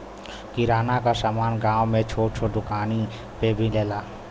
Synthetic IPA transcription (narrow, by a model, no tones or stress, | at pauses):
kiɾaːnakasaːmaːnɡãːwmẽt͡ʃʰoːʈt͡ʃʰoɖ̪ʊkaːni | pebʱileːlaː